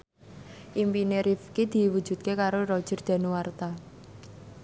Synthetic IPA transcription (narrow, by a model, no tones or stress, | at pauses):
ʔimpineɾifkid̪̥i̤wud̥ʒ̥ṳt̪̚kekaɾorɔd̥ʒ̥ə̤rd̪̥a̤nuwart̪a